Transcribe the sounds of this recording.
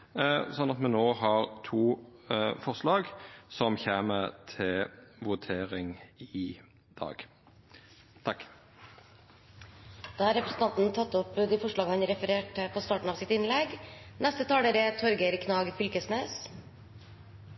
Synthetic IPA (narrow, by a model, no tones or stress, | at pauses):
sɔnːɑt̪mɛnoːɦɑʁt̪ʰuːfɔʁslɑːɡsɔmçeːmət̪ʰɪlʋʊt̪ʰeːʁɪŋɪ | d̪ɑ̰ːɡ | t̪ʰɑkː | d̪̥ɑːhɑɾɛpɾəsn̩t̪ɑnt̪nt̪ʰɑt̪ːɔpd̪ɪfɔʂɭɑːɡəhɑnɾɛfəɾeːʈəpʰɔst̪ɑːʈɳ̩ɑːʋsɪt̪ɪnlɛɡnæst̪ət̪ʰɑːləɾət̪ʰɔɾɡəɾkʰnɑːɡfʏlkəsneːs